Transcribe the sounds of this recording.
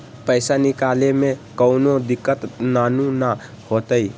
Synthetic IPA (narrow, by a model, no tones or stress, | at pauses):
pəɪsanikalemekəʊnod̪ikːət̪nanuna | hot̪əj